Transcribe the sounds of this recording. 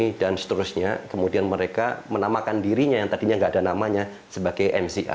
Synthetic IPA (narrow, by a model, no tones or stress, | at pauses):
idansə̥t̪əɾʊsɲakəmudianməɾekamənamakandiɾiɲajaŋt̪adiɲaŋɡaːdanamaɲa | səbaɡajʔɛmsiʔa̰